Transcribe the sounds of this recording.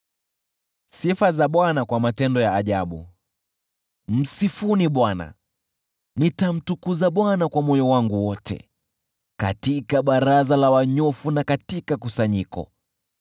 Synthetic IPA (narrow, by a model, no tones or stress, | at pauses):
sifazaɓwanakwamatɛndɔjaːʄaɓṵ | m̩sifuniɓwana̰ | nitam̩tukuzaɓwanakwamɔjɔwaŋɡuwɔtɛ̰ | ka̰tikaɓaɾazalawaɲɔfunakatikakusaɲikɔ̰